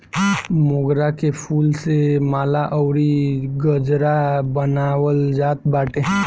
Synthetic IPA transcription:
moɡɾakepʰuːlsemaːlaʔəɾiɡəd͡ʒɾabənaːwəld͡ʒaːt̪baːʈʰeɦɛ̃

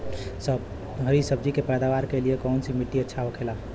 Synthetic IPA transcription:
səb | ɦəɾisəb̚d͡ʒikepɛːd̪aʋaɾkeliekɔʊnsimiʈːiətːʃʰaɦokʰela

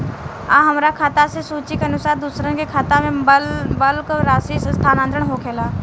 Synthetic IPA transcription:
aːɦɐmɾakʰaːt̪asesuːt͡ʃikɐnʊsaːɾd̪usɾənkekʰaːt̪amẽlbəlkoɾaːsisst̪ʰaːnãːnt̪ɾəɽ̃ɦokʰeːlaː

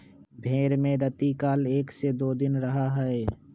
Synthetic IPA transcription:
bʱeːɾmẽɾɐt̪ikaːleːksed̪oːd̪ɪnɾɐɦaɦɛe

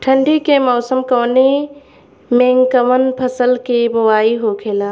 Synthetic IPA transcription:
ʈʰə̃ɳɖikemɔːsəmkoːne | mẽːŋkəʋənpʰɐsəlkibʊʋaːiɦokʰeːlaː

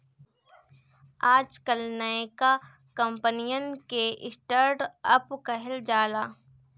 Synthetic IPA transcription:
aːd͡ʒkəlnɐeka | kɐ̃mpənijənkeʔɪ̰sʈəɾɖɐpkɐɦɪld͡ʒaːlaː

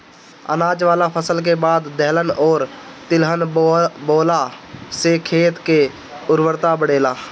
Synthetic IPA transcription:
ə̰naːd͡ʒʋaːlapʰəsəlk̬ebaːd̪ːɛɦlənɔːɾt̪ɪlɦənboːlasekʰeːt̪ke | ʊɾʋəɾt̪abəɽeːlaː

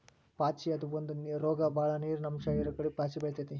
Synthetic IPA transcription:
paːt͡ʃiɐd̪uʋond̪unɾoːɡɐbaːɭɐniːɾunɐmʂɐiɾɐkːɐɽipaːt͡ʃibɐɭt̪ɐt̪i

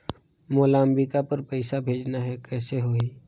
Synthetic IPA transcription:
moːlaːmbikapəɾpəɪsabʱeːd͡ʒnaɦɛkɛːseɦoːi

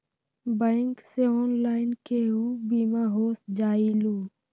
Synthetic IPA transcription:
bə̃ŋkseɔːnlaːɪnkeɦubiːmaɦoːsd͡ʒaːiluː

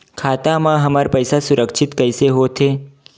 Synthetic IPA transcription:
kʰaːt̪amãɦɐməɾpəɪsasʊɾəkʃʰɪt̪kəɪseɦoːt̪ʰeː

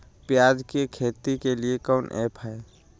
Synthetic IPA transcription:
pjaːd͡ʒkekʰeːt̪ikeliekɔːnʔḛːpʰɦɛe

